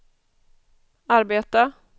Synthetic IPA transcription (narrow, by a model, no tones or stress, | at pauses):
aɾbeːt̪a